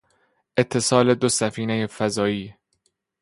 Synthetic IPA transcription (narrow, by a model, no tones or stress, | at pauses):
ʔe̞t̪ʰːe̞sɒːle̞d̪osæfiːnejefæzɒːiː